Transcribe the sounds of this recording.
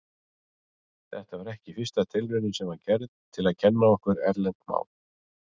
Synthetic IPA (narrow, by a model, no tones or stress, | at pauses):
θɛ̰ht̪avaɾɛhcɪfɪrst̪at̪ʰɪlvʏnʏsɛmvacɛɾðt̪ʰɪlaðcʰɛnːaɔhkʏɾɛ̰ɾlɛnt̪ma̰ːwl